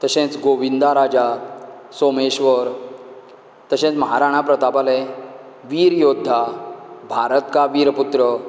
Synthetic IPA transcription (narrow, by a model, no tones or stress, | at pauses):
t̪əɕẽt͡sɡoʋind̪aɾad͡ʑa | someɕʋəɾ | t̪əɕẽt͡sməɦaɾaɽ̃apɾət̪apale | ʋiːɾjod̪ʱːabʱaɾət̪kaʋiɾput̪ɾə